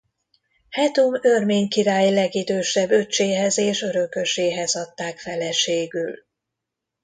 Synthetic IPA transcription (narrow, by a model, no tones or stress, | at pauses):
hɛt̪umø̞rmeːɲkiɾaːjilɛɡid̪øːʃɛbːø̞t͡ʃːeːɦɛzeːʃø̞ɾø̞køʃeːɦɛzɒt̪ːaːkfɛlɛʃeːɡyl